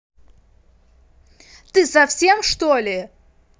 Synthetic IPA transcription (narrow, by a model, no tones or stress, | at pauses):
t̪ɨsɐfsʲemʂt̪olʲɪ